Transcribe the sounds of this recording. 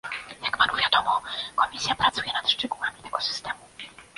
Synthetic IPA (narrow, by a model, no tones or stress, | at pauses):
jakpanuvʲjad̪ɔmɔkɔmʲisʲjapɾat̪sujɛnat̪ʂt͡ʂɛɡuamʲit̪ɛɡɔsɨ̥st̪ɛmu